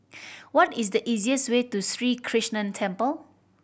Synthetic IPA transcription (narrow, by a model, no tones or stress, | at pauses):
wɔtisdəʔiziəswetusɹikʰɹiʃnə̃ntʰɛ̃mpəl